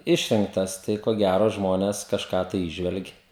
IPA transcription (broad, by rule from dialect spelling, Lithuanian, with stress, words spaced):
ˈɪʃʲrʲɪŋktɐs ˈtɐɪ koː ˈɡʲæroː ˈʒmoːnʲɛs kɐʃˈkɑː tɐɪ ˈiːʒʲʋʲɛlʲɡʲɪ